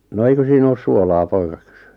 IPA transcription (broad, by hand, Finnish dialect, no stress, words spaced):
no eikø siːn oːs suolɑː poikɑ kẙsẙ